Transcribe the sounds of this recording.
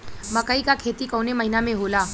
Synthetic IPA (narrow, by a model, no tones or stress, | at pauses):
mɐkəikakʰeːt̪ikɔːnemɐɦinamẽɦoːlaː